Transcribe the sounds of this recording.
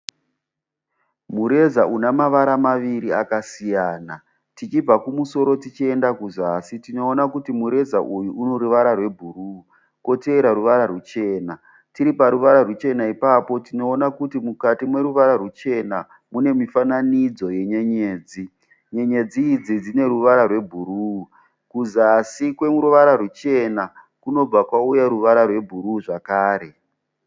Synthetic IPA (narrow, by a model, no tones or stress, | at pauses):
muɾe̞zaʔunamaʋaɾamaʋiɾiakasijaːna | tit͡ʃib͡vakumuso̞ɾo̞tit͡ʃie̞ndakuzasitino̞ːnakutimuɾe̞zaʔujuuno̞ɾuʋaɾarwe̞bʱuru | ko̞te̞ɾaɾuʋaɾarut͡ʃe̞ːna | tiɾipaɾuʋaɾarut͡ʃe̞naipapo̞tino̞ːnakutimukatimwe̞ɾuʋaɾarut͡ʃe̞na | mune̞mifananid͡zo̞je̞ɲe̞ɲe̞ːd͡zi | ɲe̞ɲe̞d͡ziːd͡zid͡zine̞ɾuʋaɾarwe̞bʱuɾuu | kuzasikwe̞muɾuʋaɾarut͡ʃe̞na | kuno̞b͡vakwaujaɾuʋaɾarwe̞bʱuɾuʐakaːɾe̞